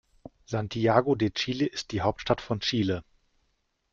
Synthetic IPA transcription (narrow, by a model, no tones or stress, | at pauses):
z̥antʰiaːɡodeːt͡ʃiːleʔɪst̚d̥iːɦaʊp̚tʃtatfɔnt͡ʃiːlə